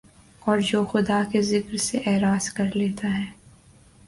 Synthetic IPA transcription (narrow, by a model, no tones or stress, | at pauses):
ɔːɾd͡ʒoːxʊd̪akezɪkɾseʔɛːɾaːzkɐɾleːt̪aɦɛː